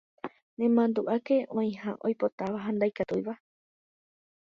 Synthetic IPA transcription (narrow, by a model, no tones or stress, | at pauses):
nẽ̞mãnd̪uʔake̞ʔõĩhãʔo̞jpo̞t̪aʋaɦãnd̪ajkat̪ujʋa